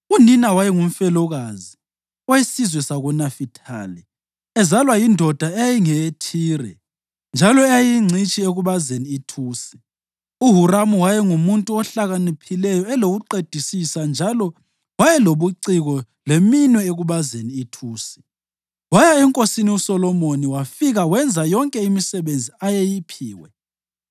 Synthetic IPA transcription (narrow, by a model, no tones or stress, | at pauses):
uninawajɛŋum̩fɛlɔɣazi | wajisizwɛsaɣunafitʰa̰ːlɛ | ɛzalwajindʱɔd̥ʱaɛjajiŋɛtʰiːrɛ̰ | nd͡ʒʱalɔɛjajiŋ͡ǀʱit͡ʃʼieɣuβazeniːtʰuːsɛ̥ | uɦuramuwajɛŋumuntʼuɔɬaɣanipʰilɛjɔɛloɣuǃed̥ʱisisand͡ʒʱalɔ | wajɛloβuǀiɣɔ | leminwɛeɣuβazeniːtʰuːsɛ̥ | wajaɛŋkʼosiniusɔlɔmoniwafiɣawɛnd͡zʱajɔŋkʼɛimisɛβend͡zʱiajejipʰiːwɛ